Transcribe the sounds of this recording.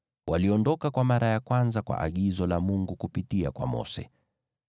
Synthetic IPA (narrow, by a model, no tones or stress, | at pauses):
wʔaliɔndɔkakwamaɾajakwanzakwa̰ʔaɠizɔlamuŋɡukupitia̰kwa̰mɔ̰sɛ̰